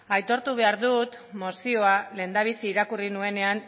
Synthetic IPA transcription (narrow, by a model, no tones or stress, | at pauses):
ajt̪o̞ɾt̪uβ̞e̞aɾðut̪mo̞sio̞ale̞ːnd̪aβ̞isiːɾakurinue̞ne̞an